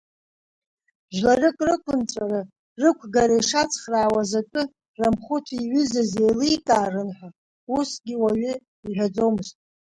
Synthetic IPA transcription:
bʒlarɨkʼrɨkʷʰʊnt͡sʷʼara | rɨkʷʰɡaɾajʂat͡sʰʼχraːwazakʼɨ | ramχʷʊtʰiɥʏzazejlɨjtʼaːrɨnħʷᶣa | usɡʲiwaɥʏ | iħʷᶣad͡zo̞wmɨztʼ

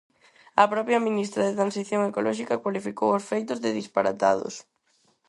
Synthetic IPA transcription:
ɐpɾɔpɾjaminist̪ɾɐðet̪ɾansiθjoŋekolɔʃikɐkwalifikowʊsfejt̪ʊzðɪðispaɾa̰t̪a̰ðʊ̰s

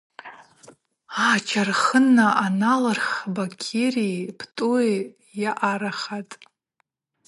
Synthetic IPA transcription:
at͡ʃʰarχənːaʔanalarχbakʲʰerijpʰtʼue | jaʔaɾaχatʼ

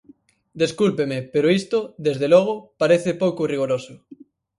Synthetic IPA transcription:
d̪eskulpemepeɾoist̪ʊðezðelɔɣ̞ʊpaɾeθɪpowkʊriɣoɾosʊ

